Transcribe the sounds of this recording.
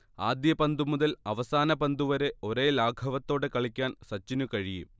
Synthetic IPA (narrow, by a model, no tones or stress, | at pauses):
aːd̪jɐpɐnd̪umuðɐlɐʋɐsaːnɐpɐnd̪uʋɐɾe̞o̞ɾe̞ːlaːɡʰʱɐʋɐt̪ːo̞ːɽe̞kɐɭikʲːaːnsɐt͡ɕːinukɐɻijḭ